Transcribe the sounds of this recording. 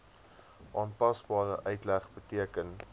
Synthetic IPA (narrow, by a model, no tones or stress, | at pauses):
ʔɑːnpɐsbɑːɾəʔœɥtlæχbətiəkən